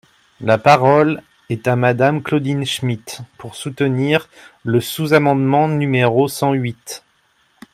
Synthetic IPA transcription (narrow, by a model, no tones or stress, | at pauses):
lapaʁɔl | ɛt̪amad̪amklod̪inʃmit̪puʁsut̪əniʁ | ləsuzamɑ̃d̪mɑ̃nymeʁosɑ̃ɥit̪